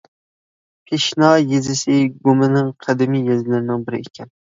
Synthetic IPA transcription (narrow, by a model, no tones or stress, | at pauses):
pʰeʃnɑjezɪsɪɡomɪnɪŋqʰɑd̪ɪmijjɑzlaɾɪnɪŋbɪɾɪ̰ekʲʰan